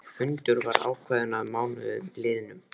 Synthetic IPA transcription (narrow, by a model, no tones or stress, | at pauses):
fʏnt̪ʏɾvaɾa̰ːwkʰvaːðɪnaðmaːwnvɪ̰lɪːðɪnʏm